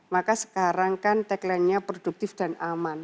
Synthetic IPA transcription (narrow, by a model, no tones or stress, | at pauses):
makasə̥kaɾaŋkant̪ɛklɛnɲapɾod̥uk̚t̪ɪfd̥a̤naman